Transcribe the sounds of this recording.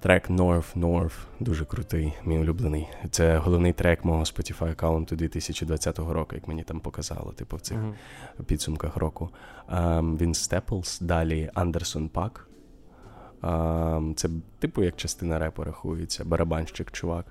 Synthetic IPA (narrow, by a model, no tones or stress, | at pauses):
t̪ɾɛknɔrfnɔrfd̪uʒɛkɾʊt̪ɪjmʲijʊlʲublˠenɪjt̪sɛɦɔlˠɔʋnɪjt̪ɾɛkmɔɦɔspɔtʲifajɐkaʊnt̪ʊd̪ʋʲit̪ɪsʲɐt͡ʃid̪ʋɐt͡sʲat̪ɔɦɔɾɔkʊjɐkmenʲit̪ɑmpɔkɐzɑ̰lˠɔ̰t̪ɪpʊw̪sɪxpʲid̪sʊmkɐxɾʔɔkʊ | ʋʲinst̪ɛplˠsd̪ɑlʲiɐnd̪ersɔnpɑk | t̪sɛt̪ɪpʊjɐk̚t͡ʃɐst̪ɪnɐɾɛpɔɾɐxujet͡sʲːɐbɐɾʔɐbɑnʃt͡ʃɪkt͡ʃʊʋɑk